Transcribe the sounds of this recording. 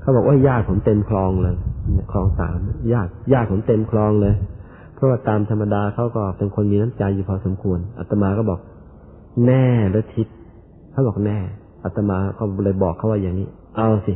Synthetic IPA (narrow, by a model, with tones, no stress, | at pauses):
kʰa˦˥˩bɔː˨˩kʔo˧˥˩jjaː˧˥˩k̚pʰo˩˦mt̪e˧mkʰlɔː˧ŋlɤː˧jkʰlɔː˧ŋsa̰ː˨˦mjaː˧˥˩k̚jaː˥˩k̚pʰo˩˦mt̪e˧mkʰlɔː˧ŋlɤː˧j | pʰɾɔ˦˥waː˧˩t̪aː˧mt̪ʰa˧mːa˧daː˧kʰa˦˥˩wkɔː˥˩pe˧nkʰo˧nmiː˧na˦˥˨mt͡ɕa˧jːuː˧˩pʰɔː˧˦so˩˦mkʰu˧ənʔa˨˧t̪ːa˧maː˧kɔː˥˩bɔː˨˩k̚ | nɛː˧˩lɯː˧˩t̪ʰi˦˥t̪̚ | kʰa˧˥˩bɔː˨˩k̚nɛː˧˩ | ʔa˨˩t̪ːa˧maː˧kɔː˧˥˩lɤː˧˩˨jbɔː˨˩kʰa˥˩waː˧˥˩jaː˨˩ŋniː˦˥˩ | ʔa˧wsi˧˩